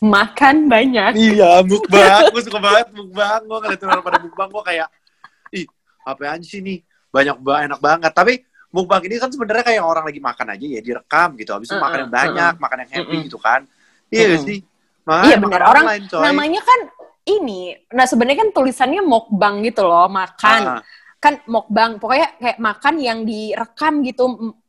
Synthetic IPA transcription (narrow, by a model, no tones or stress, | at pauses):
makanbaɲakjabuk̚baus̬kəbaət̪̚buk̚baŋɡakaat̪inalpadabuk̚baŋɡokajaʔ | ɪh | apɛaɲisini | baɲak̚baŋenak̚baŋət̪ːapi | mʊk̚baŋinikansəbənəɾɲakajaŋoɾaŋlaɡima̰kana̰d͡ʒajadiɾəkamɡit̪ua̰bisɲamakanjaŋbaɲak̚makanjaŋhɛpiɡit̪uka̰n | ijabasi | makajabənəɾoɾaŋaɪnt͡ʃomamaɲakan | ininasəbənəɾrɲakant̪ulisanɲamɔk̚baŋɡit̪ulɔhmakan | kanmɔk̚baŋpokajakajaʔmakanjaŋdiɾəkamɡit̪u